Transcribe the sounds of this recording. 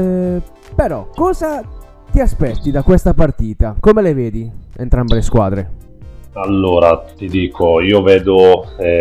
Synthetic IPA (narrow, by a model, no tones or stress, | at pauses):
peɾɔkːɔːza | t̪iaspɛt̪ːid̪akwest̪apart̪iːt̪akomeleveːd̪iḛnt̪ɾambeleskwa̰ːd̪ɾe | alːoːɾat̪id̪iːkʰoiːoveːd̪o